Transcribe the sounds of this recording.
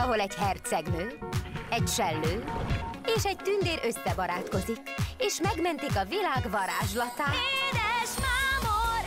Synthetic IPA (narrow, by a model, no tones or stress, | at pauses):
ɒɦo̞lɛɟhɛrt̪sɛɡnøːɛcʃɛlːøːeːʃɛc̚t̪ynd̪eːɾʔøsːɛbɒɾaːt̪ko̞zikeːʃmɛɡmɛnt̪ikɒvilaːɡvɒɾaːʒlɒt̪aːed̪ɛʃmamo